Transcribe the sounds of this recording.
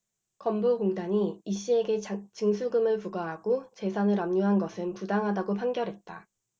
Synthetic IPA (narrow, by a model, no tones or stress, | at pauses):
kʌmboɡoŋdaɲiiɕ͈ie̞ɡe̞t͡ɕɯŋsʰuɡɯmɯɭpuɡaɦaɡot͡ɕe̞sʰanɯɾamɲuɦanɡʌsʰɯnpudaŋɦadaɡopʰaŋɡjʌɾɦe̞t̚t͈a